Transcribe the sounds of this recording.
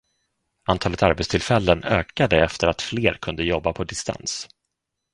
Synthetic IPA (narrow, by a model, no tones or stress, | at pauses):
ʔant̪ʰɑːlət̪aɾbɛt̪st̪ʰɪlfɛlːənøːkad̪əɛft̪əɾat̪fleːɾkʰɵnd̪əjɔbːapʰɔd̪ɪst̪ʰa̰ns